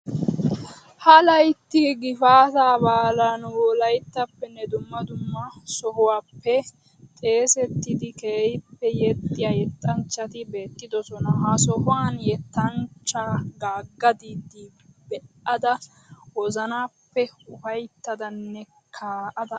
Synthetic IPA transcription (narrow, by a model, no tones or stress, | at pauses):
hɐlɐjt̪ːɪɡɪfaːt̪aːbaːlanwɔlɐjt̪ːɐpːɛnːɛd̪ʊmːɐd̪ʊmːɐsɔɦʊwaːpːɛ | t̪ʼe̞ːsɛt̪ːɪd̪ɪkeːjpːɛjɛt̪ʼːɪjajɛt̪ʼːɐnt͡ʃːɐt̪ɪbe̞ːt̪ːɪd̪ɔsɔnɐɦɐsɔhʊwaːnjɛt̪ːɐnt͡ʃːaɡaːɡːɐd̪iːd̪i | bɛʔɐd̪ɐ | wɔzɐnaːpːɛʊfɐjt̪ːɐd̪ɐnːɛ | kʰaːʔɐd̪ɐ